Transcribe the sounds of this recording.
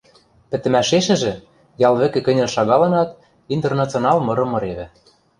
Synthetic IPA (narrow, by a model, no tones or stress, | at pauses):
pɘ̆t̪ɘ̆mæʃeʃɘ̆ʒɘ̆ | jɑlβɘ̆kɘ̆kɘ̆nʲɘ̆lʃɑɣɑlɤnɑt̪ | int̪ernɑt͡sonɑlˠmɤ̆ɾɤ̆mɤ̆ɾeβɘ̆